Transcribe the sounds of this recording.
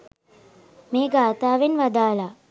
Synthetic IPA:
meːɡaːt̪aːʋenʋad̪aːla

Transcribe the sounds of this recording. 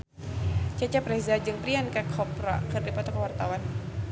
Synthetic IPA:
t͡ʃat͡ʃapɾɛzad͡ʒɨŋpɾiankakʰɔpɾakɨrdipɔt̪ɔkawart̪awan

